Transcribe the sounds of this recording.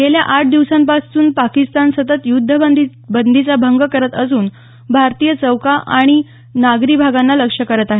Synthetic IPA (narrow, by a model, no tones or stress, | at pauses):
ɡeljaʔaʈ̚d̪iʋsãmpasuːnpakist̪ansət̪ət̪jud̪ʱːə | bənd̪ʱit͡sabʱəŋɡkəɾət̪əsuːn | bʱaɾt̪ijət͡səwkaʔa̰ɽ̃i | naɡɾibʱaɡanːaləkʂəkəɾət̪aɦe